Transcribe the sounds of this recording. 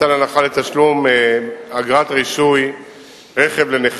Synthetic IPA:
alanaχalet̪aʃlum | aɡʁat̪ʁiʃuj | ʁeχe̞vleneχ

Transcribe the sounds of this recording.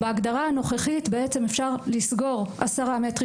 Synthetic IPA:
beaɡd̪aʁaano̞χeχitbee̞t͡se̞mefʃaʁlisɡo̞ʁasaʁametʁi

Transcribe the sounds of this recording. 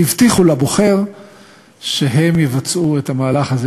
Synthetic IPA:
ivtiχulabo̞χe̞ʁ | ʃeɦe̞mjevat͡suethamaːlaχaze

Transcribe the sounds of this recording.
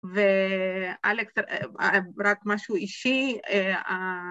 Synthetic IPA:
ve | aleks | ɾakmaʃuuiʃiea

